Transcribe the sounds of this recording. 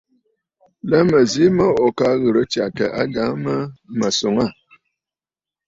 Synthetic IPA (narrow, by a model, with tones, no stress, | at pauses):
lə˦mə˨zi˦mə˦o˨ka˦ɣə˨ɾə˦t͡ʃa˨kə̰˨ʔa˦ɡa˨˦mə˦mə˨so˨ŋa˦˨